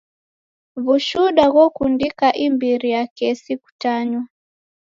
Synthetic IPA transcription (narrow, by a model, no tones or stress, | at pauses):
βuʃuɗaɣwɔkundikaʔimbiɾijakɛsiku̥taɲwa